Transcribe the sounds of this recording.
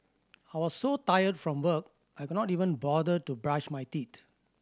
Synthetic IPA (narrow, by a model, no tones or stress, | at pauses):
ajwɔsːotajədfɹɔ̃mwək̚ | ʔajkudnɔtivə̃nbɔdətubɹãt͡ʃmajtit